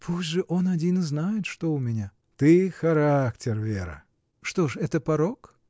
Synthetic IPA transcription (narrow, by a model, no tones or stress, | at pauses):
pʰusʲtʲʐɨʔonɐdʲinɨznajɪt̪ʂt̪oʊmʲɪnʲa | t̪ɨxɐɾaktʲɪrvʲḛɾɨ̰ | ʂt̪oʂɛt̪əpɐɾok